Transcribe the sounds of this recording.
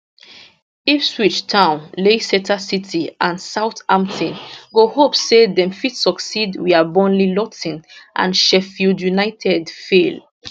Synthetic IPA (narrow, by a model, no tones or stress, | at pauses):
ifswit͡ʃtʰãʊ̃nlesɛtʰasitʰiʔãnsaʊtãmtʰĩnɡohopsedɛ̃mfidsɔksidwiabɔ̃nlilɔtĩnʔã̰nʃɛfildjunaɪtʰɛdfel